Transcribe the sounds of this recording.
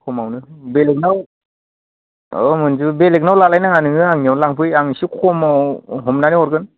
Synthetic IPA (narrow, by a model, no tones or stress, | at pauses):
kʰɔmawnɯbelek̚naw | ɔmɯnzubelek̚nawlalajnaŋanɯŋɯaŋniawnlaŋpʰɯjaŋnisikʰɔmawɦɔmnaniɔɾɡɯn